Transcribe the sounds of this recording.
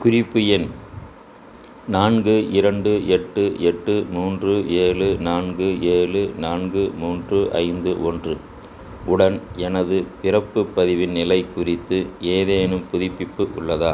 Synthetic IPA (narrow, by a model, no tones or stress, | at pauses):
kʊrɪpːɯjɪn | naːnɡɯɪɾɐɳɖɯɛʈːɯʔɛʈːɯmuːndrɯʔeːlɯnaːnɡɯeːɭɯnaːnɡɯmuːndrɯʔɐ̰ɪnd̪ɯʔɔndrɯ | ʊɽɐnɛnɐðɯpɪrɐpːɯpːɐðɪʋɪnnɪlɐɪkʊrɪt̪ːɯeːðeːnɯmpʊðɪpːɪpːɯʔʊ̰ɭːɐðaː